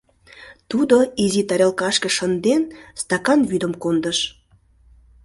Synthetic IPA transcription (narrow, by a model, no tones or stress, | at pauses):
t̪ud̪oizit̪ɑɾʲelkɑʃkə̆ʃənd̪enst̪ɑkɑnβyd̪əmkond̪əʃ